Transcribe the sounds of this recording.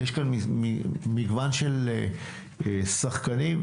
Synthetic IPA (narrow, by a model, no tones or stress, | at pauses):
jeʃkanmimimiɡvanʃel | esaχkanim